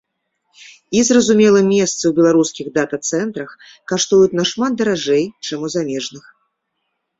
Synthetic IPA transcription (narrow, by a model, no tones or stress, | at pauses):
izrɐzumʲɛlˠɨmʲːɛst̪sɨwbʲɛlˠaɾuskʲiɣd̪at̪ɐt̪sɛnt̪ɾɐx | kaʂt̪ujut̪ʲnɐʂmat̪̚d̪ɐɾaʐɛjt͡ʂamuzamʲɛʐnɨx